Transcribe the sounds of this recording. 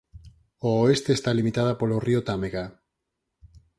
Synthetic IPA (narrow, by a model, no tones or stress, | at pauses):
ooest̪eːst̪alimit̪að̞apoloriot̪ameɣa